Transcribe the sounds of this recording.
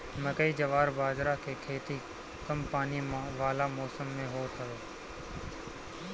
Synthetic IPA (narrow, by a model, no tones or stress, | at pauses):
məkəiːd͡ʒəʋaːɾbaːd͡ʒɾaːkeːkʰeːt̪iː | kəmpaːniːmãːʋaːlaːmɔːsəmːẽːɦoːt̪ʰəʋeː